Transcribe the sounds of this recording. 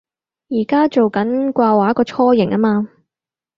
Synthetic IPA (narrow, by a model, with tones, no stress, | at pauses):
jiː˨˩kaː˥t͡ʃo˨wkɐ˨˦˥nkʷaː˧waː˨˥kɔː˧t͡ʃʰɔː˥jɪ˨˩ŋʔɐ˥maː˧